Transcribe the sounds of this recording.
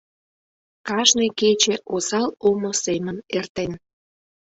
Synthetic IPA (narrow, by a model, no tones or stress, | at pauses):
kɑʒneket͡ɕeʔosɑlomosemənert̪en